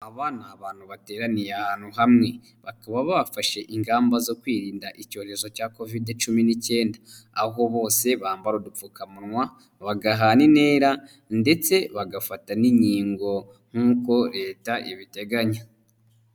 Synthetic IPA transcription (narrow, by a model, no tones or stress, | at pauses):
aβaːnaːβaːn̥huβate̞ːɾanijeahaːn̥huɦamŋe̞ | βakaβaβaβafaʃe̞ʔiŋɡaːmbazo̞kwiːɾiːndaʔico̞ːɾe̞zo̞caːko̞videt͡ʃuminice̞ːndaː | ɦo̞βo̞ːse̞βaːmbaɾodup͡fukamuɾŋwa | βaɡaɦanine̞ːɾa | nde̞t͡se̞βaɡafataniɲiːŋɡo̞ | ŋ̥huːko̞ɾe̞ːtaʔiβite̞ɡaɲa